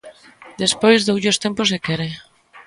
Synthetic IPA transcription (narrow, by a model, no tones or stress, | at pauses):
d̪espojzðowʝost̪emposekeɾe